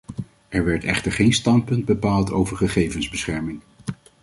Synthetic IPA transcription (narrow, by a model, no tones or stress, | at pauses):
ʔɛɹʋɛɹtɛ̰χtəɹχejnstɑnt̚pɵnd̚bəpaːlˠtowvəɹχəχejvənzbəsχɛɹmɪŋ